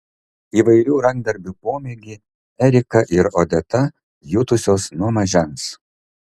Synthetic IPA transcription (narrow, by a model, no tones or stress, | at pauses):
iːʋɐɪɾʲuːɾɐŋɡ̚d̪ɐɾʲbʲupoːmʲeɡʲiː | ɛɾʲɪkɐʔɪɾoːd̪ʲɛt̪ɐ | jʊt̪ʊsʲoːsnuɔmɐʒʲɛns